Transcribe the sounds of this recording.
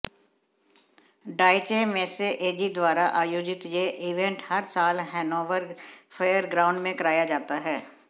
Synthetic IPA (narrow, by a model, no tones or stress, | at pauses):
ɖaːɪt͡ʃemeseʔeːd͡ʒid̪waːɾaʔaːjoːd͡ʒɪt̪jeːʔiʋẽɳʈhəɾsaːlɦɛːnoːʋəɾɡfʰəjəɾɡɾãːʊ̃ɳɖmẽkɐɾaːjad͡ʒaːt̪aɦɛː